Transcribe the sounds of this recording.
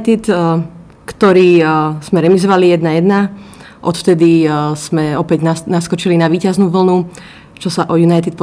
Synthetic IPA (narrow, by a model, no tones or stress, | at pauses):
t̪it̪ | kt̪ɔɾiːz̥mɛɾɛmizɔʋalijɛd̪najɛd̪na | ʔɔt̪ft̪ɛd̪iz̥mɛɔpɛɟnanaskɔt͡ʃilinaʋiːcaznuːʋl̩nu | t͡ʃɔsaʔɔjunajt̪it̪̚pɔ